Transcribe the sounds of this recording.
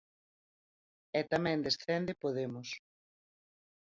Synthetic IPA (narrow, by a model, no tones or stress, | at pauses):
ɛt̪amɛ̃nd̪esθɛnd̪ɪpoðemʊs